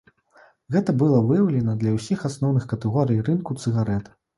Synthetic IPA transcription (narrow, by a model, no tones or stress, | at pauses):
ɣɛt̪ɐbɨlˠɐvɨjɐwlʲɛnɐd̪lʲɐwsʲixasnɔwnɨxkɐt̪ɛɣɔɾɨjrɨnkut̪sɨɣaɾɛt̪